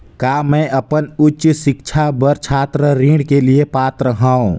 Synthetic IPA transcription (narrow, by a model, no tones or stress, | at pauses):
kaːmɛ̃ʔəpənʊtːt͡ʃsɪkt͡ʃʰabəɾt͡ʃʰaːt̪ɾəɾĩːɽkeliepaːt̪ɾəɦãːõ